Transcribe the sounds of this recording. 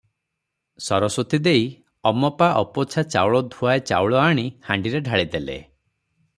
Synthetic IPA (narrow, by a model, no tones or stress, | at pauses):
sɔɾɔsot̪id̪ej | ɔmɔpaʔɔpɔt͡ʃʰat͡ʃa̰wɭɔd̪ʱuaet͡ʃa̰wɭɔaɽ̃ihaɳɖiɾeɖʱaɭid̪elḛ